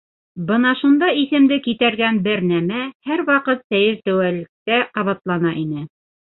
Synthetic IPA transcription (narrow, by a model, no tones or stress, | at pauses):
bɤnɑʃund̪ɑiθɘ̆md̪ɘkit̪æɾɡænbɘɾnæmæhæɾwɑqɤt̪sæjɘɾt̪æwælɘ̆k̚t̪æqɑβɑt̪lˠɑnɑʔinɘ